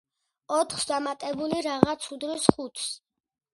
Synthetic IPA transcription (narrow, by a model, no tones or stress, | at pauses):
ɔt̪ʰχsd̪amat̪ʼɛbuliɾaʁat̪sʰud̪ɾisχut̪ʰs